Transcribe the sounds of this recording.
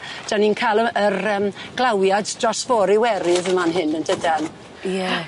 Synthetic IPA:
d̥aninkʰajlˠəərəːmɡ̥lˠawjaddrɔsvɔːɾiwɛɾɪðəmanɦɪnəndədan | jɛ

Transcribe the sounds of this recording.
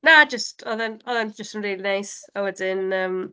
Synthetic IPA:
nad͡ʒəstɔðɛnɔðɛnd͡ʒəstənriːlˠinajsawɛdɪnəːm

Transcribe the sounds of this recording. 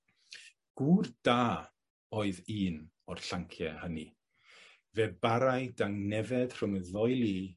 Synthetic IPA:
ɡ̥uːrd̥aː | ɔːɨðiːn | ɔr̥ɬaŋkʰjɛhəni | vɛbaɾajdaŋnɛvɛd̥r̥ʊŋəðɔɨlˠi

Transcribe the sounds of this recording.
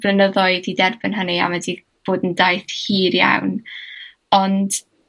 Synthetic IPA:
bənəðɔɨðidɛrbɪnɦənia̰mɛdi | b̥oːdəndajθhiːɾja̰wn | ɔnd̥

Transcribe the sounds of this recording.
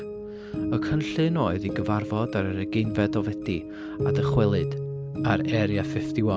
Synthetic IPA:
əkʰənɬɨnoːɨðiɡəvarvɔdaɾəɾəɡejnvɛdɔvɛdi | adəχwɛlˠɨd̥ | aɾɛɾjafɪfd̥ɪwɔ

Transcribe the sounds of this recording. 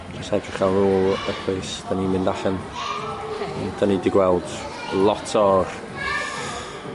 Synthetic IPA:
d͡ʒəstaɡəχalnuːlˠəpʰwejsd̥animɪndaɬɛn | d̥anidɪɡwɛlˠd̥ | lˠɔtʰɔr

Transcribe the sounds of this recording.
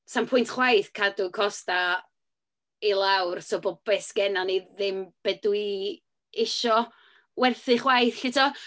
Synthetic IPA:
sampʰʊjntχwajθkʰadʊkʰɔsta | ilˠawrsobɔb̥ɛsɡ̥ɛnaniðɪmb̥ɛdwi | ɪʃɔ | wɛrθɨχwajθɬɪtʰɔ

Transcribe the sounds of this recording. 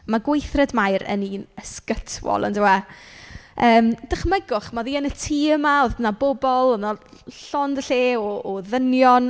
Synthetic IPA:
maɡwejθrɛdmajɾə̰niːnəskətʰwɔ̰lˠə̰ndɪwa | əːmd̥aχmɛɡʊχmaðiːənətʰiːəmaoðənabɔbɔlˠəna | ɬɔndəɬeːɔːðənjɔn

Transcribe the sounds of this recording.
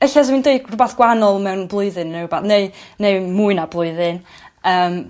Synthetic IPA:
əɬɛswindeɨɡrʊbaθɡ̥wanɔlˠmɛwnblˠʊɨðɨnːebaθnejnejmuɨnablˠʊɨðɨn | əːm

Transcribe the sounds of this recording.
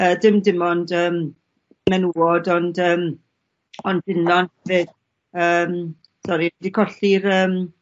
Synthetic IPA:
əːdɪmdɪmɔndəːm | mɛnuɔdɔndəːm | ɔndɪnɔnɛvɪd̥ | əːm | sɔɾiɛdikʰɔɬiɾəːm

